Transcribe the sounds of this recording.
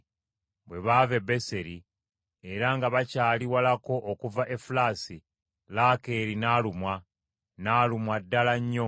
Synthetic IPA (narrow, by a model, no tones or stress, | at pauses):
bwe̞βaːve̞be̞se̞ɾi | e̞ɾaŋɡaβacaːliwalako̞ʔːkuvaʔe̞fulasi | laːke̞ːɾinaːlumwa | naːlumwadːalaɲːo̞